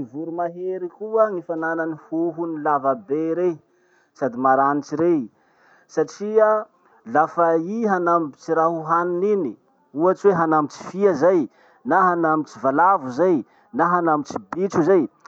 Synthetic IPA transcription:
ivuɾumaɦeɾikuəŋifanananihuɦunilavabeɾe | sad̪imaɾanit͡ʃiɾe | saʈ͡ʂia | lafaiɦanambit͡siɾaɦuɦaninini | uat͡ʃweɦanambit͡si̥fiazaj | naɦanamit͡sivalavuzaj | naɦanamit͡sibit͡ʃuzaj

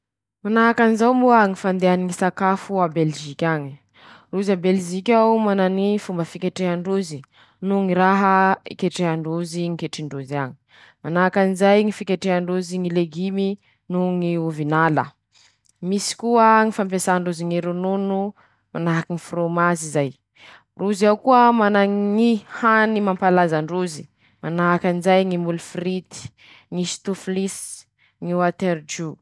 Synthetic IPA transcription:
manaɦakanizawmbuəŋifand̪eaniŋisakafuabelʒikʲaɲi | ruzabelʒikʲawmananifumbəfikʲeʈ͡ʂeɦaɳɖ͡ʐuzi | nuŋiɾaɦəḭkeʈ͡ʂeɦaɳɖ͡ʐuziŋikeʈ͡ʂiɳɖ͡ʐuzaɲi̥ | manaɦakanizajŋifikʲeʈ͡ʂeɦaɳɖ͡ʐuziŋileɡimi | nuŋiuvinalə̰ | misi̥kuəŋifamp̬asaɳɖ͡ʐuziŋeɾununu | manaɦakiŋifromazizaj | ruziawkuəmanaŋihanimampalazaɳɖ͡ʐuzi | manaakanizajŋimulfɾit̪i̥ | ŋist̪uflis | ŋiwat̪eɾd͡ʒu

